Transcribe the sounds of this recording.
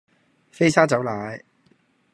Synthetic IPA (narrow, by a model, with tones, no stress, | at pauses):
fe˥jsaː˥t͡sɐ˨˥wlaː˨˥j